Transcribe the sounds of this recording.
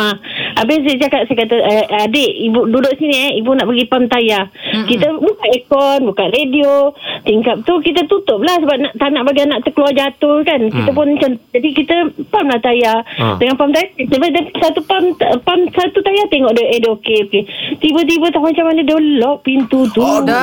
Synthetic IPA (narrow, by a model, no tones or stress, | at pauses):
aʔabesad͡ʒakat̪̚sajkat̪aʔəadeʔibududʊʔsiniɛibunaʔbaɡipamt̪ajakit̪əbukanekɔnbukanrediot̪iŋkap̚t̪ukit̪ət̪ut̪ʊp̚lahsəbap̚naʔt̪anaʔbaɡianaʔt̪əkəluad͡ʒat̪ʊhkankit̪əp̬ʊnt͡ʃant̪d͡ʒ̪apikit̪əpamlaht̪ajadəŋanpamt̪ajasəbap̚d̪aisat̪upampamsat̪ut̪ajat̪eŋɔʔdəʔedokeoket̪ibət̪̬ibət̪amat͡ʃamanədolɔʔ̚pint̪ut̪u